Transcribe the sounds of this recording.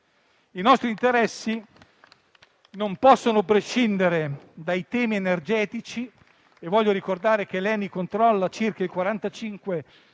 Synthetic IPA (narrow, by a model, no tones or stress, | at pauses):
inɔst̪ɾint̪eɾɛsːi | nompɔsːonopɾeʃind̪eɾed̪ajt̪ɛːmienerd͡ʒɛːt̪it͡ʃi | evːɔʎːoɾikord̪aːɾek̟elɛːnikont̪ɾɔlːat͡ʃirkailkwaɾant̪at͡ʃiŋkwe